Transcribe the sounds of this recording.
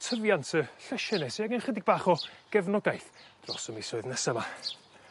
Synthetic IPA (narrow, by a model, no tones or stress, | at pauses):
tʰəvjantʰəɬɛʃɛnɛseaɡənχədɪɡ̚baːχɔɡ̥ɛvnɔɡajθd̥rɔ̰səmisoɨðnɛsəma